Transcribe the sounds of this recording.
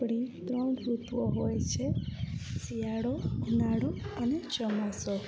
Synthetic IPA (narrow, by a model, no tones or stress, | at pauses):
ɽ̃it̪ɾɔwɖɾut̪ʋɔɦojt͡ʃʰe | sijaɽɔnaɽɔənet͡ʃəmasɔ